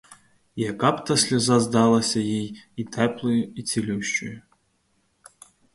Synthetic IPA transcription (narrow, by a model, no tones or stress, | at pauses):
jakapt̪ɐsʲlʲizazd̪alˠɐsʲɐjijit̪ʰɛplˠɨjuit͡sʲilʲuwʃt͡ʃʊ̰ju